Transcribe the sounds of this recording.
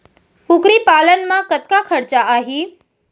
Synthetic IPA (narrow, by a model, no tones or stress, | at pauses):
kʊkɾipaːlənmãkət̪̚kakʰəɾt͡ʃaaːɦiː